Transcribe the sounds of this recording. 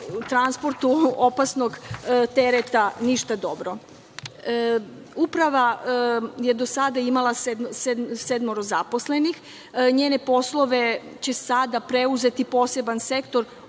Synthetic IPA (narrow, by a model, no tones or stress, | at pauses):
ut̪ɾanspo̞ɾt̪uopasno̞ɡt̪e̞ɾet̪aniʃt̪ad̪o̞bɾo̞ | upɾaʋa | je̞d̪o̞sad̪aimalˠased̪sesed̪moɾozapo̞sle̞nix | ɲe̞ːne̞po̞slˠo̞ʋe̞ | t͡ɕesad̪apɾe̞uze̞t̪ipo̞ːse̞banse̞kt̪o̞ɾ